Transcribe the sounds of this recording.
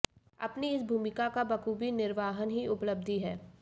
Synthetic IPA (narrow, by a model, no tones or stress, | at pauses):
ɐ̰pniɪsbʱuːmɪkakabɐkuːbinɪɾʋaːɦənɦiʊpləb̚d̪ʱiɦɛː